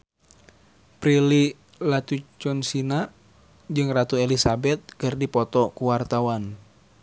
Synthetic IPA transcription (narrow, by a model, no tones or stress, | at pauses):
pɾili | lat̪ut͡ʃɔnsina | d͡ʒɨŋrat̪uɛlisabɛt̪̚kɨrdipɔt̪ɔkuwart̪awan